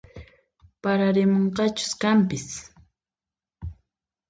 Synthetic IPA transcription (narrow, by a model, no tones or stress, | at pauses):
paɾaɾɪmoɴqɑt͡ʃʊ̥skampɪs